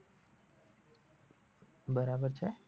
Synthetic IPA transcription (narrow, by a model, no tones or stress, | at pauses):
bəɾabəɾt͡ʃʰe